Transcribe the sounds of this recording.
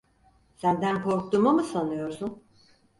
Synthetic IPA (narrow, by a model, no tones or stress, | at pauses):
sænd̪ænkʰo̞ɾk̚t̪umamɯsanɯjo̞ɾsun